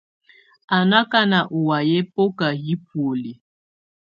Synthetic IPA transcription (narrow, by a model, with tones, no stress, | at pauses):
a˨na˦ka˦na˨ʔu˨wa˨jɛ˦po˦ka˨ji˦p̚wo˨le˨